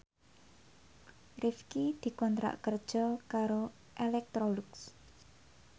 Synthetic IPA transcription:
rifkid̪̥i̤kɔnt̪ɾa̰ʔkərd̥ʒ̥ɔkaɾo | ʔelɛk̚t̪ɾolʊks

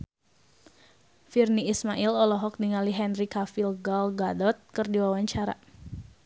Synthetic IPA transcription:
firniːsmaʔilɔlɔɦɔk̚diŋaliɦɛnrikafilɡɔlɡadɔt̪̚kɨrdiwawaɲt͡ʃaɾa̰

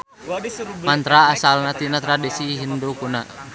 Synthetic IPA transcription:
mant̪ɾaːsalnat̪inat̪ɾadisiɦindukuna

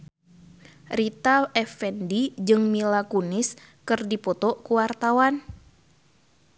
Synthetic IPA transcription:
rit̪aɛfɛndid͡ʒɨŋmilakunɪs | kɨrdipɔt̪ɔkuwart̪awan

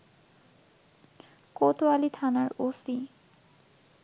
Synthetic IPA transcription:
kot̪oalit̪ʰanaɾosi

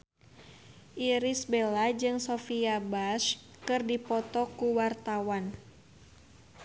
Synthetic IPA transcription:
ʔiɾisbelad͡ʒɨŋsɔfiabaʃ | kɨrdipɔt̪ɔkuwart̪awan

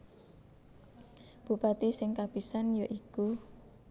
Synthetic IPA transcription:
b̥upat̪isɪŋkapisanjaʔiku

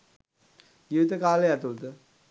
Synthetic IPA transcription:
ɡiʋit̪əkaːleat̪ult̪ə

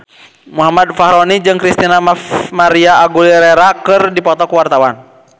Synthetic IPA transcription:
muɦamad̪̚faɦɾɔnid͡ʒɨŋkɾist̪inamamaɾiaːɡuliɾɛɾakɨrdipɔt̪ɔkuwart̪awan

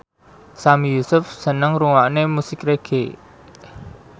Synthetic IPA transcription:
samijusʊfsənəŋɾuŋwaʔnemusikreɡ̥e

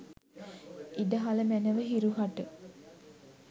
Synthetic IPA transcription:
id̪əɦaləmænəʋəɦiɾuɦaʈə

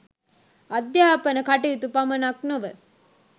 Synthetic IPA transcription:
ad̪jaːpənəkaʈiit̪upamənaknuʋə

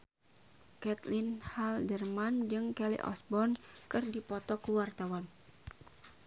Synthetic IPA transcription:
kɛt̪linhaldərmand͡ʒɨŋkɛlḭʔɔ̰sbɔnkɨrdipɔt̪ɔkuwart̪awan

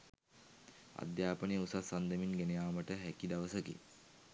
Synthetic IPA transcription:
a̰d̪jaːpəniusasɐnd̪əminɡenejaːmɐʈəɦɛkid̪ɐʋəsəkḭ

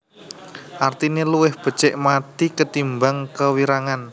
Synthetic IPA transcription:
ʔart̪ineluwɪhb̥ə̤̥t͡ʃɪʔmat̪ikət̪imbaŋkəwiɾaŋan

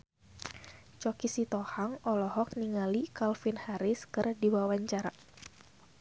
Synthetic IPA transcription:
t͡ʃɔkisit̪ɔhaŋɔlɔhɔk̚niŋalikalfinhaɾɪskɨrdiwawaɲt͡ʃaɾa

